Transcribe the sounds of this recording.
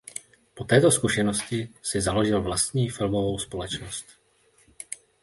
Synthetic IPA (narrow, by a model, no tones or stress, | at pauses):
po̞t̪ɛːt̪o̞skuʃɛno̞scɪsɪzalo̞ʒɪlvlast̪ɲiːfɪlmovo̞wspo̞lɛt͡ʃnost̪